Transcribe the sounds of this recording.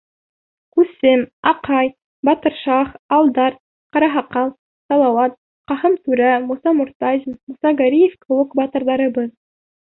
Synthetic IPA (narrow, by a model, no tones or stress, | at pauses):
kʉsɘmɑqɑj | bɑt̪ɤ̆ɾʃɑχɑlˠd̪ɑɾ | qɑɾɑɦɑqɑlˠ | sɑlˠɑwɑt̪̚ | qɑhɤmt̪ʉɾæmusɑmŏɾt̪ɑzʲmmŭsɑɡɑɾʲijefkɘ̆wɘkbɑt̪ɤ̆ɾðɑɾɤ̆bɤð